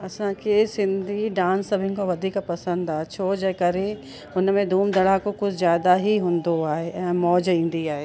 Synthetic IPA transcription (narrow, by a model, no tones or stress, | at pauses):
ɐsãkʰesɪ̃nd̪ʱiɖãːnsːɐbʱɪnɪ̆koʋɐd̪ʱiːkpɐsə̃nd̪aːɦet͡ɕʰoːd͡ʑeːkɐɾe | ʊnmẽd̪ʱuːmd̪ɐɽakokʊd͡ʒʰʱzjaːd̪aɦiɦũːnd̪oaːɦeɛ̃ːmɔːd͡ʑĩːn̆d̪iaːɦeː